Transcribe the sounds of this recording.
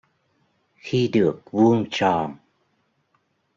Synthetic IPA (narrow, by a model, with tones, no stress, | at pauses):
xi˧ɗɨ˨˩ək̚vu˧əŋt͡ɕɔ˨˩n